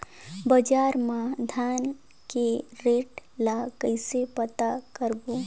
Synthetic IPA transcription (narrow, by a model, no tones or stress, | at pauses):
bəd͡ʒaːɾmãd̪ʱaːn | keɾeːʈlakəɪsepət̪akəɾbo